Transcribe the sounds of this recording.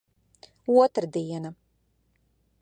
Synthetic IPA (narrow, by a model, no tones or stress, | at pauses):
uɔt̪ɾd̪iːɛna